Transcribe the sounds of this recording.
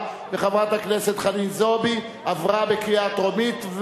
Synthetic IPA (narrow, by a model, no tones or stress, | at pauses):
beχavʁat̪akneset̪χanilzo̞bi | avʁabe̞kiat̪ʁomit̪v